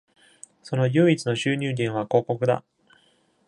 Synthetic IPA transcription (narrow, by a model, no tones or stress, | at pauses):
so̞no̞jɯːit͡sɨno̞ɕɨːɲʲɨːd̪ʲẽɰ̃βako̞ːko̞kɯ̟d̪a̰